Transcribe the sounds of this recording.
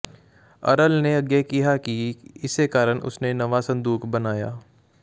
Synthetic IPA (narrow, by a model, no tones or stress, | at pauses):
ɐ̰ɾəlneɐɡjekiɦakiɪsːekaːɾəɽʔʊ̰snenɐʋasɐ̃nd̪uːkʰbɐnaːja̰ː